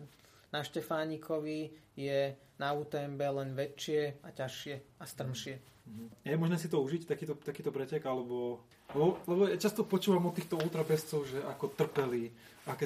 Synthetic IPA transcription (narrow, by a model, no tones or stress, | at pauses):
naʃcɛfaːɲikʰɔʋijɛ | nauːt̪ɛmbɛlɛnʋɛt͡ʃɪɛacaʃɪɛast̪r̩mʃɪɛ | jɛmɔʒnɛːsit̪ɔuʒict̪akiːt̪ɔt̪akiːt̪ɔpɾɛcɛɡalɛbɔ | lɛbɔlɛbɔjat͡ʃast̪ɔpɔt͡ʃuːʋamɔt̪ːiːxt̪ɔuːt̪ɾabɛst͡sɔʊʒɛʔakɔt̪r̩pɛliː | akɛ